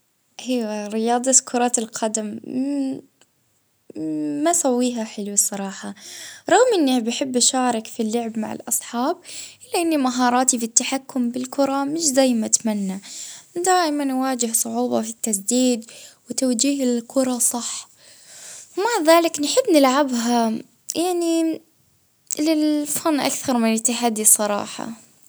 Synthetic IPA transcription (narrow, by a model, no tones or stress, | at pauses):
ʔajwaɾɪjɑːd̪ˤɑkʰʊɾˤɑːt̪ɪlqʰɑd̪am | mːasawːiːɦaħɪluwsˤːɑɾˤɑːħɑɾˤɑɣmʔɪnːibɪħɪbːʃɑːɾˤɪkfilːʊʕɪbma̰ʕɪ̰lʔɑsˤħɑːbʔɪlːaʔɪnːimaɦɑːɾˤɑːt̪ifit̪ːaħakːʊmbɪlkʊɾˤɑmɪʃzajːmat̪manːad̪aːʔɪmanːwaːd͡ʒɪhsˤʊʕuːbɑ̰fit̪ːasd̪iːd̪wɪt̪awd͡ʒiːhɪɪlkʰʊɾˤɑsˤɑħ | wmaʕðaːlɪknħɪbːnɪlʕabɦa | jaʕni | lɪlfanːʔa̰kθɑɾˤmɪnjɪt̪ːɪħad̪ːisˤɑɾˤɑ̰ːħɑ̰